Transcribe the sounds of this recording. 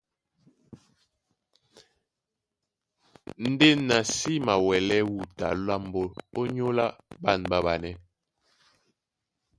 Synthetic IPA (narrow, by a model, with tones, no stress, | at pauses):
n̩˦de˦na˨si˦ma˨wɛ˨lɛ˦wu˨ta̰˨la˦˨mbo˦o˦ɲo˦la˦ba˦˨nba˦ba˨nɛ˦